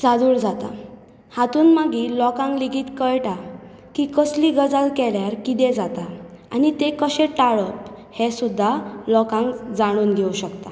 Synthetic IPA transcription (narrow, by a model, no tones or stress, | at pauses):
t͡sad̪uːɽd͡zat̪a̰ | hat̪uːnmaɡilɔkãŋkliɡiːt̪kəjʈa | kikəsliɡəd͡zalkɛljaɾkid̪ẽd͡zat̪aanit̪ekəɕẽʈaɭəphesud̪ʱːalɔkãŋkd͡zaɽ̃uːnɡʱeuɕəkt̪a